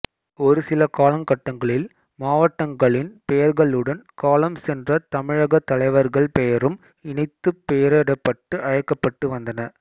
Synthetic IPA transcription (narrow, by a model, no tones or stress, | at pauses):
ɔɾɯsɪlɐkaːlɐmkɐʈːɐŋɡɐɭɪl | maːʋɐʈːɐŋɡɐɭɪnpɛjɐɾɣɐɭɯɽɐnkaːlɐmsɛndrɐt̪ɐmɪɻɐɣɐt̪ːɐlɐɪʋɐɾɣɐɭpɛjɐɾɯm | ɪɳɐɪt̪ːɯpːɛjɐɾɐɽɐpːɐʈːɯʔɐɻɐkːɐpːɐʈːɯʋɐnd̪ɐnɐ